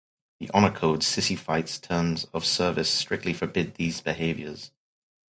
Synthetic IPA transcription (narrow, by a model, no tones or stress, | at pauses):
ðḭʔɑnəkʰoʊd̥sɪsifaɪtstʰɜ̃ːmzəv̥sɜ˞vɪstɹ̥ɪk̚tʰˡlifəbɪd̪̚ðiːzbɪɦeɪvjə˞z̥